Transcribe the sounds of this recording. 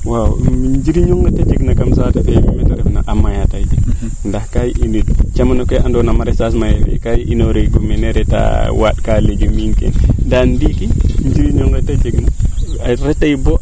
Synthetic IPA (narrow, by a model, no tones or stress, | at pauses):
wawmiɲd͡ʒiɾiɲɔŋɡetad͡ʒeɡnakamsataɗemimetaɾɛfna̰ʔamajataj | ndahkajiʔinidt͡ʃamanokeʔandɔnamaɾesas̬majefḛkajʔinoɾeɡumɛneɾeta̰wa̰tkaled͡ʒumiŋkḛndandikiɲd͡ʒiɾiɲɔŋɡetad͡ʒeɡna | ɾɛtajbo